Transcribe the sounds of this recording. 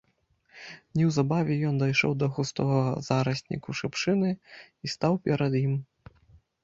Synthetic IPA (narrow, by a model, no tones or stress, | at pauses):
nʲɛwzabavʲɛjɔnd̪ɐjʂɔ̰wd̪ɐɣust̪ɔɣɐzaɾɐsʲnʲḭkuʂɨpʂɨnɨ | ist̪awpʲɛɾɐd̪jim